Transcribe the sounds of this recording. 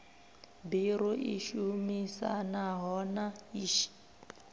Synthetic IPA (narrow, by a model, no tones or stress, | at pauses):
biɾɔʔiʃumisa̰naɦɔnaiːʃi̥